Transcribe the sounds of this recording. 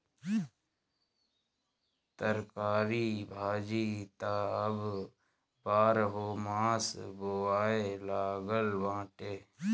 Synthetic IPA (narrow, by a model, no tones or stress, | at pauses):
t̪əɾkaːɾiːbʱaːd͡ʒiːt̪aːəb | baːɾɦoːmãːsboːaːelaːɡəlʋãːʈeː